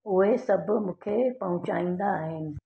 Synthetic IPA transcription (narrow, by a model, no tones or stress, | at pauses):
ʊɦesɐbmũːkʰepɐɦʊ̃t͡ɕaːĩːn̆d̪aːɦɪnɪ̆